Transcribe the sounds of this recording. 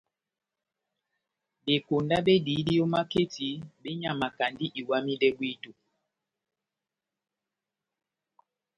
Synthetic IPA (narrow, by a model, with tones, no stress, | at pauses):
be˨ko˨nda˦ɓe˦di˨˦di˦jɔ˦ma˦ke˦ti˨˦be˦ɲa˨ma˨ka˨ndi˦ʔi˨wa˦mi˦dɛ˦bwi˦tu˨